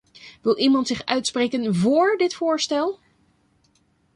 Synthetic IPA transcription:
ʋɪlˠʔimɑntsɪχœɥtsprejkənvʊːɹdɪtfʊːɹstɛlˠ

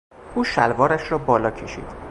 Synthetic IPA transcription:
ʔuːʃælvɒːɾæʃrɒːbɒːlɒːcʰeʃḭːd̪̥

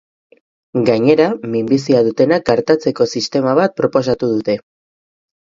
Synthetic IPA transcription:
ɡaɲe̞ɾamimbisiaðut̪e̞nak̚ɡaɾt̪at͡se̞ko̞sist̪e̞maβ̞at̪̚pɾo̞po̞s̬at̪uðut̪e̞

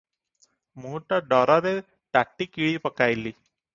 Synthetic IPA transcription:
muʈaɖɔɾaɾe | ʈaʈːikiɭiːpəkajliː

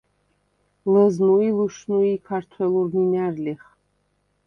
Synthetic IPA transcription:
ləznuiluʃnuikʰart̪ʰwɛlurminærliχ

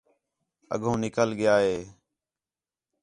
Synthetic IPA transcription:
ə̰ɠʱõːnɪkəlɠɪjaːɦeː

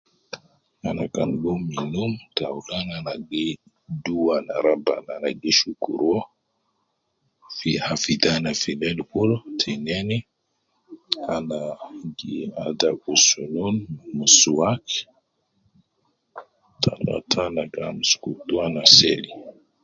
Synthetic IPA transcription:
anakanɡuminumtaulananaɡi | duwana̰ɾaba̰nanaɡeʃukṵɾɔ | fihafid̪anafilɛlkultʰinɛni | anaɡiadaʔusununmusuwak | tʰala̰tʰanakamusu̥kut̪uanaseli

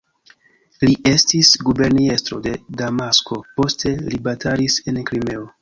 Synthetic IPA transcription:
liʔe̞stisɡube̞ɾnie̞stɾo̞̰de̞damasko̞po̞ste̞libatʰalise̞nkɾime̞o

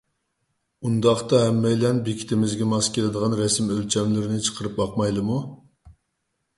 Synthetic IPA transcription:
und̪ɑχt̪ɑɦɛmːɛjlɛnbekʲʰi̥t̪ʰɪmɪzɡʲɛmɑskʲelˠɪd̪əʁɑnɾɛsɪmølt͡ʃʰɛmlɪɾɪnɪt͡ʃʰə̥qʰəɾɨp̚bɑq̚mɑjlˠɨmu

